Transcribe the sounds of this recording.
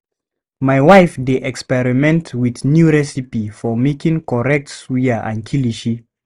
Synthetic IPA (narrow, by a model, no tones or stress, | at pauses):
majwajfdeʔɛkspɛɹimɛ̃ntwiθnjuɹɛsipifɔmekĩŋkɔɹɛk̚tswiəʔã̰nkʰiliʃi